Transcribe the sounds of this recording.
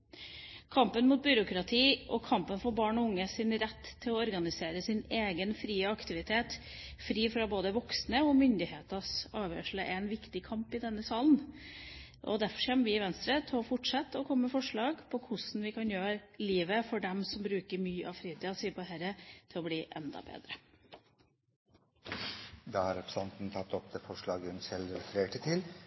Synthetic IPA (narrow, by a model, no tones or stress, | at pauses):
kʰɑmpənmuːt̪̚bʏɾʊkɾɑt̪ʰiːʔɔkʰɑmpənfɔɾbɑːɳɔʊŋːəsɪnɾɛt̪ʰːɪlɔɔɾɡɑnɪseːɾəsɪneːɡənfɾiːəɑkt̪ɪʋɪt̪ʰeːt̪ | fɾiːfɾɑboːd̪əʋɔksnəɔmʏnd̪ɪheːt̪ɑsɑːʋjø̰ːʂɭəʔɛnʋɪkt̪ɪkʰɑmpɪd̪ɛnːəsɑːlən | ʔɔ̰d̪æɾfɔʂçɛmːəʋɪɪʋɛnst̪ɾət̪ʰɛɔfɔʈʂɑt̪ːɔkʰɔmːəfɔʂɭɑːɡpʰɔkʰʊsn̩ʋɪkʰɑnjøːɾliːʋəfɔɖɛmsɔmbɾʉːkəɾmyːʔɑʋfɾiːt̪iːɑsiːəpɔɦæɾət̪ʰɪlɔbliːʔɛ̰nd̪ɑ̰bḛːd̪ɾə | d̪ɑːhɑɾɛpɾə̥sɑnt̪n̩t̪ʰɑt̪ːɔp̚d̪eːfɔʂɭɑːɡənsɛlɾɛfəɾeːʈət̪ʰɪl